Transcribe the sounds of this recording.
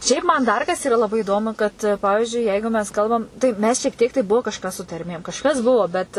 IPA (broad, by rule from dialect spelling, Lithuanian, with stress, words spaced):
ˈʃʲɛɪp ˈmɐn ˈdɐr kɐs ˈiːrɐ lˠɐˈbɐɪ iːˈdoːmʊ kɐt ˈpɑːʋʲɪʒʲʊɪ ˈjɛɪɡʊ mʲɛs ˈkɐlˠbɐm tɐɪ ˈmʲɛs ʃʲiɛk ˈtʲiɛk tɐɪ ˈbʊʋoː ˈkɑːʃkɐs sʊ tɐrʲˈmʲeːm kɐʃˈkɐs ˈbʊʋoː bʲɛt